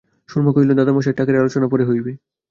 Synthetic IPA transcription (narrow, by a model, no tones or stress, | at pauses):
ʃulmokojlod̪ad̪amaʃ̬eʈakaɾealot͡ɕonapoɾeɦojbe